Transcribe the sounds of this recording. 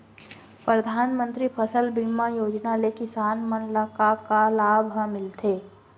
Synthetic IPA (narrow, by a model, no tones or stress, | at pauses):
pɾəd̪ʱaːnmə̃nt̪ɾipʰəsəlbimːajoːd͡ʒnalekɪsaːnmənlakakalaːbʱmɪlt̪ʰeː